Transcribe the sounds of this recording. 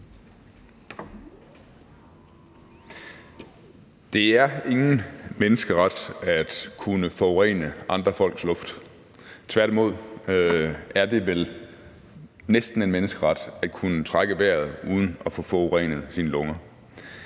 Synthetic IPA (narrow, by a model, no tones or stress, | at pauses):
d̥e̝æɐe̝ŋn̩menəsɡ̥əʁɑd̥æd̥kʰunəfɒʁɛ̰ːnəʔɑ̈nd̥ʁɐfɒ̽l̰ɡ̥slɔ̽fd̥ | t͡sʰʋæɐɾ̥imo̝ð̞̰ˠ | æɐd̥e̝ʋel | nesd̥n̩e̝nmenəsɡ̥əʁɑ̈d̥æ̥kʰunət͡sʰʁɑɡ̥əʋæɐ̰ð̩ˠuːð̞ˠən̩ɒfɔ̽fɒʁɛ̰ːnəð̞̩ˠsinəlɔ̽ŋɐ